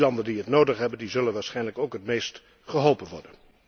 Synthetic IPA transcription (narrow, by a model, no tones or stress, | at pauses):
lɑndəndiɦətnowdəχɦɛbəndizɵlənʋaːɹsχɛjnləkowkɦətmejst | χəɦɔlˠpənʋɔ̰ɹdən